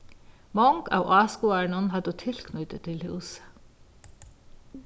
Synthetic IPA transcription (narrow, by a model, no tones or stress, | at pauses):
mɔŋɡɑ̰ːʊʔɑːskuɑɳʊnhɑd̪ət̪ʰɪlkʰnʉt̪ət̪ʰɪlhʉːsə̥